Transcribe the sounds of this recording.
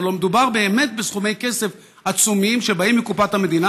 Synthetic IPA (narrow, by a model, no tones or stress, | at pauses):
lo̞med̪ubaʁbe̞ːme̞t̪̚besχumejke̞se̞f | at͡sumimʃe̞baimːikupat̪hame̞d̪ina